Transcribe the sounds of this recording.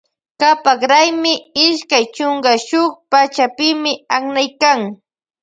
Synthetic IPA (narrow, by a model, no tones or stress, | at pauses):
kapaχɾajmɪɪʃkajt͡ʃʊŋkaʃʊkpat͡ʃapɪmɪaχnajkaŋ